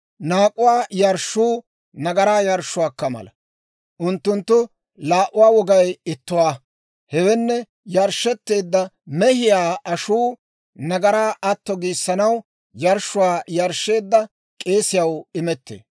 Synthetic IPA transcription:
naːkʼʊwaːjɐɾʃuː | nɐɡɐɾaːjɐɾʃːʊwaːkːɐmɐ̰lɐ | ʔʊnt̪ːʊnt̪ːʊ | laːʔʊwaːwɔɡɐjɪt̪ːʊwaː | hɛwɛnːɛ | jɐɾʃːɛt̪ːe̞ːd̪ːɐmɛhɪjaːɐʃuː | nɐɡɐɾaːʔɐt̪ːɔɡiːsːɐnɐw | jɐɾʃʊwaːjɐɾʃːe̞ːd̪ːɐ | kʼe̞ːsɪjɐwɪmɛt̪ːḛː

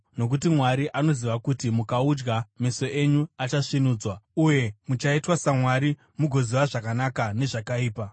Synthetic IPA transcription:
no̞k̬utimwaɾiʔano̞ziʋakutimukaud͡ʒɡameso̞ʔe̞ɲuat͡ʃaʂinuːd͡zwauje̞mut͡ʃaitwasamwaɾi | muɡʱo̞ziʋaʐakanakane̞ʐakaiːpa

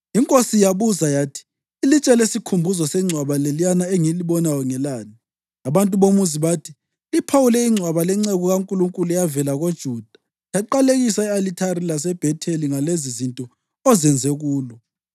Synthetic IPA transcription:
iŋkʼosijaβuzajatʰi̥ː | lit͡ʃʼɛlesikʰumbʱuzɔsɛŋ͡ǀʱwaβalelijanaeŋiliβɔnajɔŋɛlaːni | aβantʼuβomuziβatʰi̥ | ipʰawulɛiŋ͡ǀʱwaβalɛŋ͡ǀeɣuɣaŋkʼuluŋkʼuluɛjavɛlaɣod̥ʒ̥ʱud̥ʱḁ | jaǃaleɣisaɛalitʰarilas̬ɛb̥ʱɛtʰeliŋalezizintʼɔ | ɔzɛnd͡zʱeɣuːlɔ

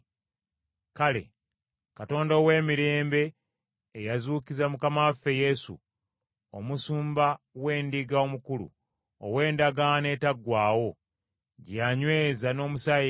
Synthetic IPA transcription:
kale̞̰ | kato̞ːndowe̞ːmiɾe̞ːmbe̞ː | jazuːkizamukamafe̞je̞sṵ | omusuːmba | we̞ːndiɡao̞mukulṵ | o̰we̞ːndaɡane̞taɡwaːwo̞ | ɟjaɲwe̞ːzano̞ːmusai

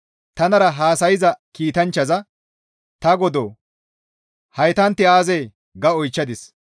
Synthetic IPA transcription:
t̪ɐnɐɾɐɦaːsɐjɪzɐkiːt̪ɐnt͡ʃːɐzɐ | t̪ɐɡɔd̪oː | hɐjt̪ɐnt̪ːɪaːzeː | ɡɐɔjt͡ʃːɐd̪ɪs

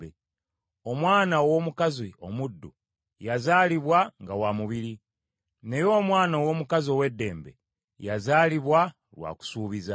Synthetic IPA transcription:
e | o̞mwaːnaowo̞mukazio̞mudːṵ | jazaːliβwaŋɡawamuβiɾi | ne̞jo̞ːmwaːnaowo̞mukazio̞we̞dːe̞ːmbe̞̰ | jazaːliβwa | lwa̰ːku̥suːβiza

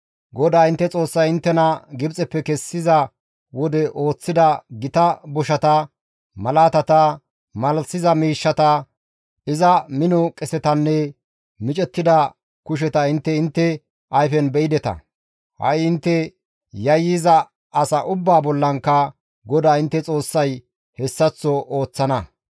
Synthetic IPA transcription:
ɡɔd̪aːɪnt̪ːɛt͡sʼo̞ːsːɐjɪnt̪ːɛnɐɡɪbt͡sʼɛpːɛkɛsːɪzɐ | wɔd̪ɛʔo̞ːt͡sːɪd̪ɐɡɪt̪ɐbɔʃɐt̪ɐ | mɐlaːt̪ɐt̪ɐ | mɐlsɪzɐmiːʃːɐt̪ɐ | ɪzɐmɪnɔkʼɛsɛt̪ɐnːɛ | mɪt͡ʃʼɛt̪ːɪd̪ɐ | kʊʃ̬ɛt̪ɐɪnt̪ːɛɪnt̪ːɛ | ʔɐjfɛnbɛɪd̪ɛt̪ɐ̰ | hɐ̰jɪnt̪ːɛ | jɐjizɐː | sɐʔʊbːaːbɔlːɐŋkːɐ | ɡɔd̪aːɪnt̪ːɛt͡sʼo̞ːsːɐj | hɛsːɐt͡sːɔʔoːt͡sːɐnɐ

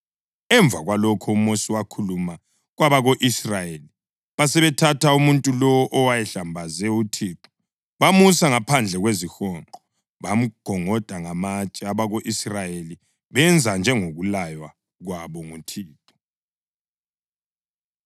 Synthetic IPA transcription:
ɛɱb̪vʱaɣwalɔkʰɔumosiwakʰuluma | ɣwaβaɣoʔisrajeli | βasɛβɛtʰatʰaumuntʼulɔɔʔɔwajɛɬambʱazɛutʰiǃɔ̥ | βamusaŋapʰand͡ɮʱɛɣwezixɔǃɔ | βam̩ɡ̥ʱɔŋɔd̥ʱaŋamat͡ʃʼɛaβaɣoʔisrajeli | βɛnd͡zʱand͡ʒʱɛŋoɣulajwa | ɣwaβɔŋutʰiːtʰɔ̥

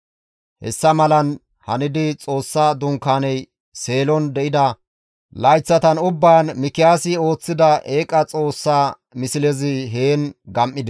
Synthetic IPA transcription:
hɛ̰sːɐmɐlɐn | hɐnɪd̪ɪt͡sʼo̞ːsːad̪ʊŋkaːnɛj | se̞ːlɔnd̪ɛʔɪd̪ɐ | lɐjt͡sːɐt̪ɐnʊbːaːnmɪkːɪjaːsɪo̞ːt͡sːɪd̪ɐʔeːkʼɐt͡sʼo̞ːsːaː | mɪsɪlɛzɪɦeːnɡɐmʔːɪd̪ɛ

